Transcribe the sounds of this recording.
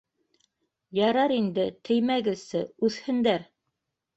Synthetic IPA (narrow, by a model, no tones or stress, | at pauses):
jɑɾɑɾind̪ɘt̪ʰɘ̆jmæɡɘ̆sɘʉθhɘ̆nd̪æɾ